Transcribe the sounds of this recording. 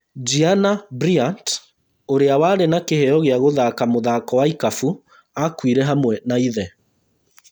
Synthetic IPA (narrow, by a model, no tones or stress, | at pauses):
d͡ʒianabɾiant | oɾeawaɾenakeheɔɣeaɣoðakamoðakɔwaikafu | akwiɾɛɦamwɛnaiðɛ